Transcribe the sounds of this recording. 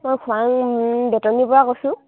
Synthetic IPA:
mojkʰʊaŋbɛtɔnipɔɹakosʊ̃

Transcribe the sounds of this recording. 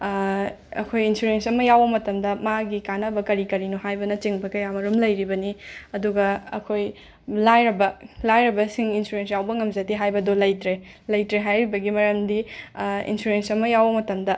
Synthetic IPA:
ɐ̰kʰojinsuɾensɐmɐjawbɐmɐtɐmdɐmaɡikanɐbɐkɐɾikɐɾinoɦajbɐnɐt͡ʃiŋbɐkɐjamɐɾumlɐjɾibɐniɐduɡɐɐ̰kʰoj | lajɾɐbɐlajɾɐbɐsiŋinsuɾens̬jawbɐŋɐmzɐtiɦajbɐdolɐjtɾe | lɐjtɾeɦajɾibɐɡimɐɾɐmdiḭnsuɾensɐmɐjawbɐmɐtɐmdɐ

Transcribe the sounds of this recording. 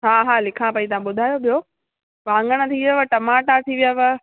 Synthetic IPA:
ɦaːɦaːlɪkʰãpɐit̪ɐʋ̤ãɓʊd̪ʱaːjoɓijo | ʋãːŋɡəɽ̃ə̆t̪ʰiʋijaʋəʈɐmaːʈat̪ʰiʋijaʋə

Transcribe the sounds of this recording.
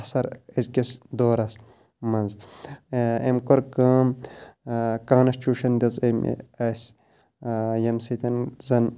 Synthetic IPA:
sɐɾezkʲisd̪oːɾɐs | mɐnz | emkoɾkɐːm | kãːnɐst͡ʃuːʃɐnd̪ʲɐzɐm̰ɐsʲ | jɐmsit̪ʲɐnzɐn

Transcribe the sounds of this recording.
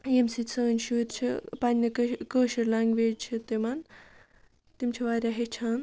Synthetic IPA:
jemsit͡sʰɐːnʲʃuːɾʲt͡ʃʰḭpɐnʲnɐkəːʃiɾlaŋɡʋeːd͡ʒt͡ʃʰit̪imɐn | t̪imt͡ʃʰiʋaːɾʲjaɦet͡ʃʰaːn

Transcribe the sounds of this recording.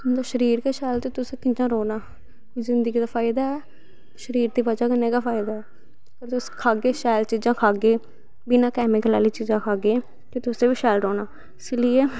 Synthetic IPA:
ʊnd̪aːʃəɾiːɾkeːʃɛːlt̪eːt̪ʊseːkɪɲd͡ʒãːɾoːnaː | koiːzɪnd̪əɡiːd̪aːfaːɪd̪aːɛː | ʃəɾiːɾd̪iːbəd͡ʒaːkəneːkaːpʰaːɪd̪aːɛː | kəɾt̪ʊskʰaːɡeːʃɛːlt͡ʃiːzãːkʰaːɡeː | biːnãːkɛːmɪkəlaːliːt͡ʃiːd͡ʒãːkʰaːɡeː | ket̪ʊsẽːbiːʃɛːlɾoːnaː | ɪsɪlieː

